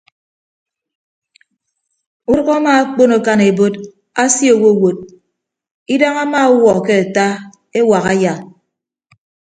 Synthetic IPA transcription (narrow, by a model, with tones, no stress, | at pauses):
u˦ɾʊ˦ɣa˦ma˦a˦k͡po˦no˨ka˦ne˨bo˦t | a˦sji˦o˨wo˦˨wo˨t̚ | i˦da˦ŋa˦ma˦wɔ˨ke˦a˨ta˦ | e˦wa˨ɣa˦ja˨